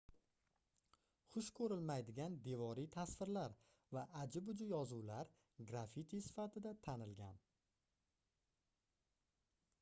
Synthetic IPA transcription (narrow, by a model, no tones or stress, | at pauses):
χʊʃkʰɵɾɪlmajd̪ɪɡʲand̪e̞vɒɾit̪ʰasvɪɾlaɾ | vaʔad͡ʒɪbʊd͡ʒʊjɒzuwlaɾ | ɡɾafit̪ʰijsɪ̥fat̪ʰɪd̪at̪ʰanɪlɡʲan